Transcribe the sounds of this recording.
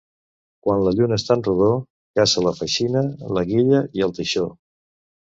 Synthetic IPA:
kwanləʎunəst̪anruðo | kasələfəʃinələɣiʎəiəlˠt̪əʃo

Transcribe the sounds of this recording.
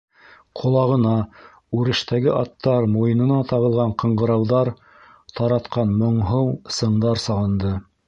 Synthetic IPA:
qʰŏlˠɑʁɤ̆nɑ | ʉɾɘ̆ʃt̪æɡɘʔɑt̪ːɑɾmujɤ̆nɤ̆nɑt̪ɑʁɤ̆lˠʁɑɴqɤ̆ɴɢɤ̆ɾɑwðɑɾ | t̪ʰɑɾɑt̪qɑnmŏɴɦɤwsɤ̆ɴd̪ɑɾsɑʁɤ̆nd̪ɤ

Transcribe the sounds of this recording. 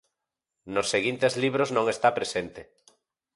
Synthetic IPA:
nosːeɣint̪ezliβ̞ɾoznõŋest̪apɾesent̪e

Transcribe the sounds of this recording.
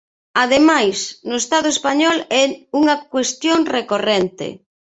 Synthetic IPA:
aðemajsnʊest̪aðʊespaɲɔlɛuŋakwest̪joŋrekorent̪ḛ

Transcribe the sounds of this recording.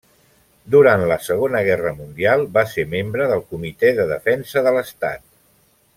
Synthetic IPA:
d̪uɾant̪ləsəɣ̞onəɣɛrəmund̪ialˠbaseɾmembɾəðəlˠkumit̪ɛðəðəfɛnsəðələst̪a̰t̪

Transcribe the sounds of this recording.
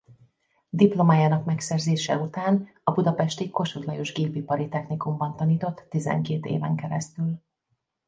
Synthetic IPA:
d̪iplo̞maːjaːnɒkmɛksɛrzeːʃɛut̪aːn | ɒbud̪ɒpɛʃt̪iko̞ʃud̪lɒjo̞ʒɡeːpipɒɾit̪ɛxnikumbɒnt̪ɒniːt̪o̞t̪ːizɛ̰ŋkeːt̪ḛːvɛ̰ŋkɛɾɛst̪yl

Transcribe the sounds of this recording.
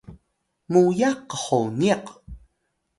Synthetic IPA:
mujaqːəχoniq

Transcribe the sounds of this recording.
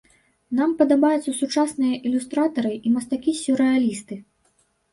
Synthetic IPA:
nampɐd̪abajut̪sɐsut͡ʂasnɨjɐʔilʲust̪ɾat̪ɐɾɨʔimɐst̪akʲisʲuɾɛalʲist̪ɨ

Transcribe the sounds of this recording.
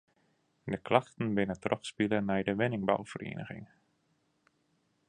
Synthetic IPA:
dəklɑχtən̩bɪnətrɔχspilənːɛjdəʋɪnɪŋba̰wv̥ərʔḛːnʔə̰χɪ̰ŋ

